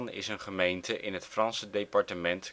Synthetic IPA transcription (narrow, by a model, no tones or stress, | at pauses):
nɪ̰sənχəmejntəʔɪnɦətfrɑnsədejpɑɹtəmɛnt